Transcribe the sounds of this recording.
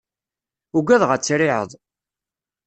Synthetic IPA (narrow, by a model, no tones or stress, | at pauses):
ʊɡæðʁæt͡sːɾɪʕə̰ðˤ